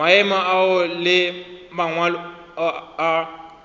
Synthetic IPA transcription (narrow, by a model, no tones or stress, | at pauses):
aɛmaʔaʊlɪmaŋwalː